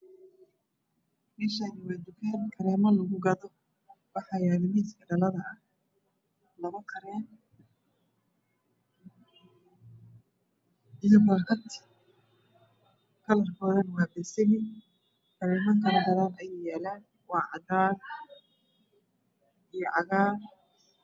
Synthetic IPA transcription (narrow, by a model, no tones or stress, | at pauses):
mɛːʃajɪmaːd̪ʊkʰɛːnkʰɐɾɛːmɐlɐɣʊɡɐðɔ | wɑħɑjaːðɪmiːskʰɐɖɐlɐðɐː | lɐɣɐkʰɐɾɛːn | ɪjɔɣaːkʰɐt̪ʰɪ̥ | kʰɐlɐrkʰɔːðɐnwɑːbɛsɛɣɪ | kʰɐɾɛːmɐkʰɐlɐɡɐðaːnɐjɛjɛːlaːn | wɑːʕɑd̪aːr | ijɔʕɑɣaːr